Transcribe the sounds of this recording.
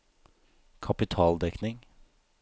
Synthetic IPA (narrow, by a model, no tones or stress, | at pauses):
kʰɑpɪt̪ʰɑːld̪ɛknɪŋ